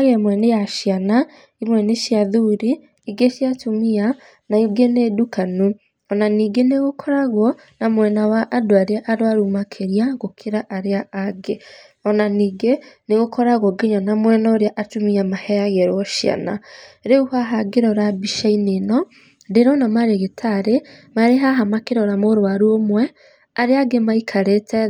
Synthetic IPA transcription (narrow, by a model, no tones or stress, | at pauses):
aɣɛmwɛnejaʃjana | imwɛneʃiaðuɾi | iɡeʃjatomia | naiɡenedukanu | ɔnaniːɡeneɣokʰɔɾaɣwɔ | namwɛnawaʔːdoaɾeaʔaɾoaɾumakʰeɾiaɣokʰeɾaʔaɾeaaɡe | ɔnaniːɡeneɣokʰɔɾaɣwɔɡeɲanamwɛnaoɾeaʔatumiamahɛaɣɛɾɔʃja̰na̰ɾeuhaɦaɡeɾɔɾabiʃainenɔ | deɾɔnamaɾeɣetʰaɾemaɾeɦaɦamakeɾɔɾamoɾoaɾuomwɛ | aɾeaɡemaikʰaɾetʰɛ